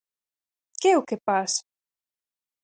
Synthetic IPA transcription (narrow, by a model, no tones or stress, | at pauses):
keɛukepas